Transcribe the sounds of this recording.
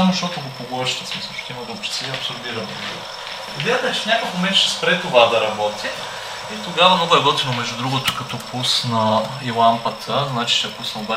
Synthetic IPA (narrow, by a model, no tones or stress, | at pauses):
amoʃt̪ɔt̪ʊɡopoɡoʃt̪əsmisɐt̪ɐ̥kivɐd̪obɾi̥t̪siɐpsoɾb̪iɾɐnḭ | dʲit̪ɛt͡ʃɛfnʲakəfmomɛnt̪ʃɛ̥spɾɛt̪ovad̪ɐɾɐbɔt̪ʰiː | t̪oɡavɐmnɔɡʊɛɡɔt̪ivomɛʒdud̪ɾuɡʊt̪o̥kɐt̪ɔpusnɐ | ilˠampət̪ʰəznat͡ʃi̥ʃɛpusɐmd̪va